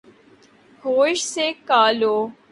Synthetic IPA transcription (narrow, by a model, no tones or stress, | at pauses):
hoːʃsekaːloː